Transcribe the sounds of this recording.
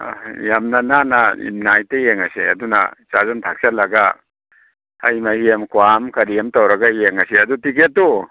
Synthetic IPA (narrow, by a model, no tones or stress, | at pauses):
jamnananaḭmnajtejeŋɐsḛɐ̰duna̰t͡ʃazantʰak̚salɐɡa | ajmaiemkwamkɐɾiemtawɾɐɡaijeŋɐseɐdutiketːo